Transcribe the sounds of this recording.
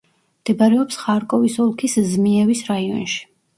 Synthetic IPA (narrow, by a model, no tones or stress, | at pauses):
md̪̥ɛbaɾɛɔpsχaɾkʼɔvisɔlˠkʰiszmiɛvisɾaiɔ̰nʃi̥